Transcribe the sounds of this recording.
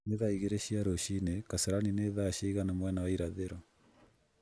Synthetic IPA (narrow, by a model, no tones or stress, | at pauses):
neðaiɣeɾeɕiaɾoʃinekaseɾanineðaʃeɣanamwɛnawaiɾaðeɾɔ